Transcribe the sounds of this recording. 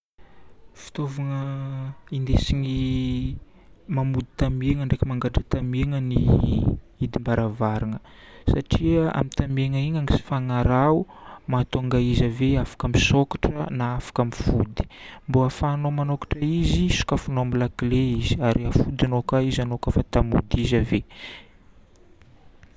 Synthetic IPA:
fi̥t̪ovuŋə | ind̪esiɲi | mamud̪i̥t̪ameŋəɳɖ͡ʐekimaŋɡaɖ͡ʐət̪ameŋəni | id̪imbaɾavaɾaŋə | saʈ͡ʂiəa̰mit̪ameŋəiɲaŋisi̥faŋaɾaumat̪oŋɡaizaveafḁkəmisokḁʈ͡ʂənaafḁkamifud̪i̥mboafanomanokḁʈ͡ʂəizisu̥kafunomilakleiziaɾiafud̪anokaizanokafat̪amṵd̪izave

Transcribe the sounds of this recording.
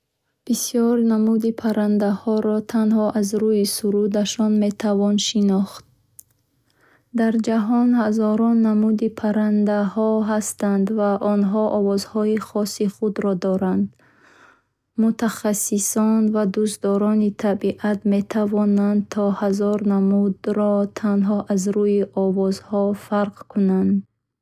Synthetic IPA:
b̥isijɔɾnamud̪ipʰaɾand̪ahɔɾɔt̪ʰanhɔʔazɾujisuɾud̪aʃɔnme̞t̪ʰavɔnʃinɔχt̪̚ | d̪aɾd͡ʒaɦɔnhazɔɾɔnːamud̪ipʰaɾand̪ahɔɦast̪and̪vaʔɔnɦɔʔɔvɔzhɔiχɔsːiχud̪ɾɔd̪ɔɾand̪ | mut̪ʰaχasːisɔnvad̪ust̪d̪ɔɾɔnit̪ʰabiʔat̪me̞t̪ʰavɔnand̪̚t̪ʰɔhazɔɾnamud̪ɾɔt̪ʰanɦɔʔazɾuiʔɔvɔzhɔfaɾqkʰunand̪

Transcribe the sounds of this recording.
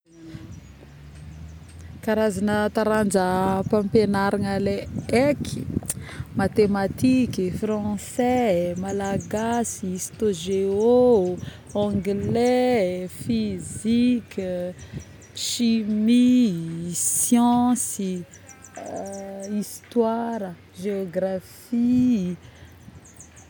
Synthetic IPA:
kaɾazanət̪aɾand͡ʒəpãmpenaɾanaleekʰi̥ | mat̪emat̪ikifrɑ̃sɛmalaɡasist̪oʒeo | ãɡlɛfizikʲ | ʃimi | sjɑ̃si | ist̪waɾə | ʒeoɡrafi

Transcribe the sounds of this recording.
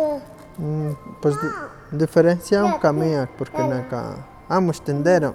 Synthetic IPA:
pwes | d̪ifeɾensjamkameak̚poɾkenaka̰ | amost̪end̪eɾa

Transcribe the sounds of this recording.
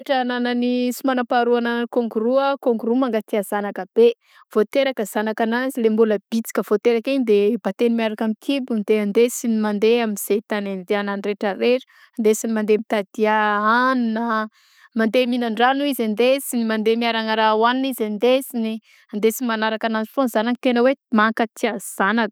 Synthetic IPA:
ʈ͡ʂənananisumanapaɾuanakoŋɡuɾuəkoŋɡuɾumaŋɡat̪iazanakəb̥e | v̥ot̪eɾakəz̥anakanazilembuləb̥it͡si̥kʲəv̥ot̪eɾakiɲd̪ebat̪enimiaɾakamik̪ʰibund̪eand̪esinimand̪eaminz̥et̪anend̪eananreʈ͡ʂəɾeʈ͡ʂə̥ | and̪esinimand̪emit̪ad̪̥iaannə | mand̪eminaɳɖ͡ʐanuizand̪esinimand̪emiaɾaŋaɾawaninizand̪esini | and̪esinimanaɾakanazifonzananit̪enəwemakət̪ʰiaz̥anak

